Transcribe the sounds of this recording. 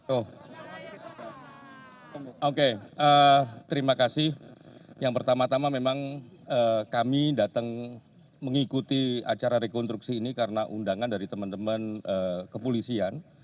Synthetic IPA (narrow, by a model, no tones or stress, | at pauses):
t̪oh | okeət̪əɾimakasɪhjaŋpərt̪amat̪amamemaŋəkamidat̪əŋ | məŋikut̪ia̰t͡ʃaɾaɾekɔnst̪ɾuk̚siːnikaɾənaʔundaŋandaɾit̪əmənt̪əmənəːkəpolisian